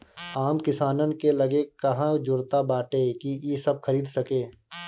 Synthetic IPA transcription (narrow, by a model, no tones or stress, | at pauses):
aːmkɪsaːnənkelɐɡekɐɦãd͡ʒʊɾt̪abaːʈeːkijesɐb̚xʰɐɾiːd̪sɐkeː